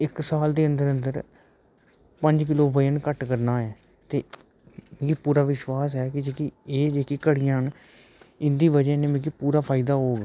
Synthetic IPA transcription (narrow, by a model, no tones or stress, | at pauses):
ɪksaːld̪eːənd̪əɾənd̪əɾ | pəɲd͡ʒk̬ɪloːʋəjənkəʈkəɾnaːɦɛː | t̪eː | mẽːkipuːɾaːʋɪʃwaːsɦɛːkɪd͡ʒeːkieːd͡ʒeːkiːkəɽɪjãːn | ɪnd̪iːʋəd͡ʒɛːnẽːmẽːk̬ipuːɾaːpʰaːɪd̪aːɦoːɡɛː